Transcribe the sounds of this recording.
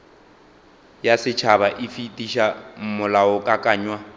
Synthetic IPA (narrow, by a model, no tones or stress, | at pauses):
jasɪt͡ʃʰaβaʔɪfitʼiʃam̩mʊlaʊkʼakʼaːɲwa